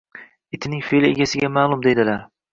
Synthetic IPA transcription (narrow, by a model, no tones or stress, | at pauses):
ɪt̪ʰɪnɪŋfelɪeɡʲasɪɡʲamaːlˠʊmd̪e̞jd̪ɪlaɾ